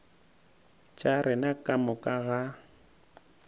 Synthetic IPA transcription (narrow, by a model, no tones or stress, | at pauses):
t͡ʃʼaɾɪnakʼamʊkʼaɣa